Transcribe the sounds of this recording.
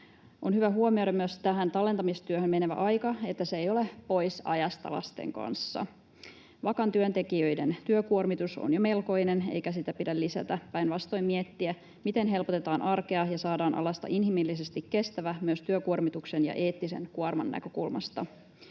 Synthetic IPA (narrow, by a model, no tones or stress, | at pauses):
ʔo̞nhyʋæɦuomioɾɑmyøst̪æɦænt̪ɑlːˑe̞nt̪ɑmist̪yøhømmeneʋæ̰ʔɑjkɑe̞t̪ːæseejo̞lepo̞jsɑ̰jɑst̪ɑ̰lɑ̰st̪ḛŋkɑ̰nsːɑ̰ | ʋɑkɑnt̪yønt̪e̞kiøjde̞nt̪yøkuormit̪uso̰njome̞lko̞inene̞̰jkæsit̪æpidælːisæ̰t̪æpæjnʋɑst̪ojmmiet̪ːiæ | mit̪e̞nɦe̞lpot̪et̪ɑːnʔɑrkeɑjɑsɑːdɑːnʔɑ̰lɑst̪ɑ̰ʔinhimilːis̬e̞st̪ikːe̞st̪æʋæmyøst̪yøkuormit̪uksenjɑ̰ʔe̞ːt̪ːise̞̰nkuɑrmɑ̰nːæ̰kø̞kulmɑ̰st̪ɑ